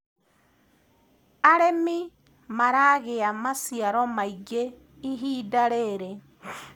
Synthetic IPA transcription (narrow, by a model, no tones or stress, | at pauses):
aɾemi | maɾaɣeamasiaɾɔmaiɡe | iɦiːdaɾeɾe